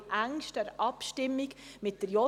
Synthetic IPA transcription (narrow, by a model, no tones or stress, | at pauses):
ʔæŋʃtəɾʔɑpʃtɪmːiɡmɪtdəɾjɔ